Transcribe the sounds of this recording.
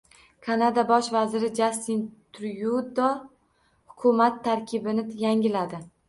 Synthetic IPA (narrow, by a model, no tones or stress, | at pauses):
kʰanad̪abɒʃvazɪɾɪd͡ʒast̪int̪ʰʊɾjud̪ɒ | hʊkʰʊmat̪ʰːaɾkʲʰɪbɪnɪjaŋʲɪlad̪ɪ